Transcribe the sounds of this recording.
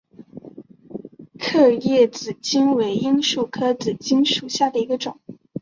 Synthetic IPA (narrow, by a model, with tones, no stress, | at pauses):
kʰɤ˥˧jɛ˥˩t͡sɹ̩˨˩t͡ɕi˥nwe˧˥ɪi˥nʂu˥˩kʰɤ˥t͡sɹ̩˨˩t͡ɕi˥nʂu˨˩ɕja˥˩d̪ə˩i˧˥ɡə˧ʈ͡ʂʊ˨˩˦ŋ